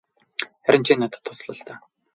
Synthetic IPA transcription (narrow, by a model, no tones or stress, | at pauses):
χæɾʲɪ̆nt͡ɕʰiːnːat̪ə̥̆t̪ʰːʊt͡sɮə̆ɬt̪æː